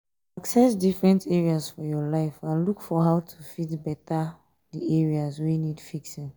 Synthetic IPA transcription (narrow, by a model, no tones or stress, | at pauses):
aksɛsdifɹɛ̃ntɛɹiasfɔjɔlaɪfãnlukfɔɦaʊtʰufitbɛta | diɛɹiazwejnidfiksĩn